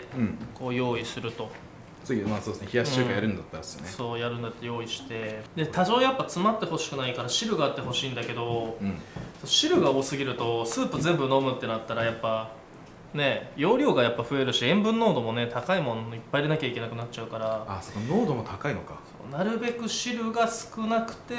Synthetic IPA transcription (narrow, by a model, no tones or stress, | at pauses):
ɯ̟̃ko̞ːjo̞ːisɨɾɯ̟t̪o̞ | t͡sɨɡʲimaːsod̪esneçijaɕt͡ɕɨːkajaɾɯ̟̃nd̪at̪ːaɾsɨjo̰neso̞ːjaɾɯ̟̃nd̪at̪ːejo̞ːiɕi̥t̪e̞d̪e̞t̪ʰaʑo̞ːjapːat͡sɨmat̪ːe̞ho̞ɕi̥kɯ̟naikaɾaɕiɾɯɡaːt̪ːe̞ɦo̞ɕĩːnd̪ake̞d̪o̞ɯ̃sonoɕiɾɯ̟ɡao̞ːsɨɡʲiɾɯ̟t̪o̞sɨːpɯ̟zẽ̞mbɯno̞mɯ̟t̪ːe̞nat̪ːaɾajapːa | ne̞jo̞ːɾʲo̞ːɡajapːaɸɯ̟e̞ɾɯ̟ɕiẽ̞mbɯ̟̃nːo̞ːd̪o̞mo̞ne̞t̪akaimõ̞noipːaiɾe̞nakʲaike̞nakɯ̟nat͡ɕt͡ɕaɯ̟kaɾaasonono̞ːd̪o̞mo̞t̪ʰakaino̞kaso̞̰ːnaɾɯ̟be̞kɯ̟ɕiɾɯ̟ɡasɨ̥kɯ̟nakɯ̟̥t̪e̞